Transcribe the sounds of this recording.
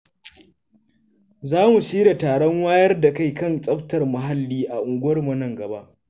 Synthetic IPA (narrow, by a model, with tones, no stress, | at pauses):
zaː˦mu˨siː˦ɽa˨taː˨ɽɔ˦ŋwaː˦jɐ˦rda˨ka˦jkɐ˦nt͡sʼɐ˦ɸtɐ˨rmʊ˨ɦa˦lːiː˦ʔa˨ʔʊ˨ŋɡʷʊ˦wɐ˦rmɐ˨nɐ˨ŋɡɐ˨ba˦ʔ